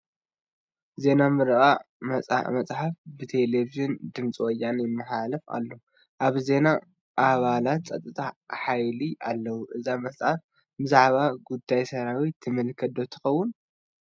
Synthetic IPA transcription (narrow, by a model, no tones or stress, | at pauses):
ze̞namɨɾɨa̰ | mɐt͡sʼmɐt͡sʼħafbɨt̪ʰeleviʒɨnd̪ɨmt͡sʼiwɔjːanjɪmːɨħalɐfa̰lːo̞ | ʔaβze̞na | ʔaβalat̪̚t͡sʼɐt̪ʼːɨt̪ʰaħajliʔalːɐwuʔɨzamɐsʼaf | bɨzaʕβaɡud̪ːajsɐɾawit̪ʰɨmɨlkʰɐd̪o̞t̪ʰɨ̥xɐwːʊn